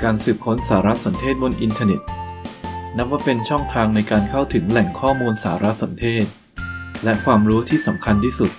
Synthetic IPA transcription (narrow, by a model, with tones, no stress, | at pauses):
kaː˧nsɯː˨˩p̚kʰo˦˥nsaː˩˦ɾa˦˥so˩˦nt̪ʰeː˥˩t̪̚bo˧nʔi˧nt̪ʰaː˧ne˨˩t̪̚ | na˦˥p̚waː˥˩pe˧nt͡ɕʰɔ˥˩ŋt̪ʰaː˧ŋna˧jkaː˧nkʰa˥˩wt̪ʰɯ˩˦ŋlɛ˨˩ŋkʰɔː˥˩muː˧nsaː˩˦ɾa˦˥so˩˦nt̪ʰeː˥˩t̪̚ | lɛ˦˥kʰwaː˧mɾuː˦˥t̪ʰiː˥˩sa˩˦mkʰa˧nt̪ʰiː˥˩su˨˩t̪̚